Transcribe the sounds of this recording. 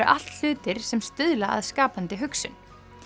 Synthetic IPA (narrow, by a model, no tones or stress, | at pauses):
ʔa̰l̥t̪l̥ʏːt̪ɪɾ̥sɛmst̪ʏðlaa̰ðskaːpant̪ɪɦʏksʏn